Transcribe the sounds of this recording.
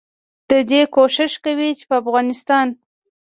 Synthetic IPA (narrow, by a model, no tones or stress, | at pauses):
d̪̥əd̪ekoʃɪʃkawit͡ʃe̥pəafɣɑnɪst̪ɑn